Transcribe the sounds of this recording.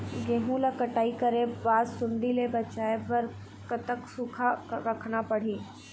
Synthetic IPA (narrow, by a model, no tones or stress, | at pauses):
ɡeːɦũlakɐʈaːikɐɾẽbaːdsʊɳɖilebɐt͡ʃaːebɐɾ | kət̪əksʊkʰaɾɐkʰnapɐɽ̤iː